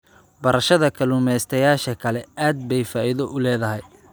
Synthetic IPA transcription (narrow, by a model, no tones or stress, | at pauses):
bɐɾɐʃɐðɐkʰɐluːmɛst̪ʰɐjaːʃɐkʰɐlɛʔaːd̪̚bɛjfaːiðɔʔʊlɛːðɐɦɛj